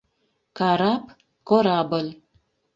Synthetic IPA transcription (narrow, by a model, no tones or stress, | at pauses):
kɑɾap | koɾabəl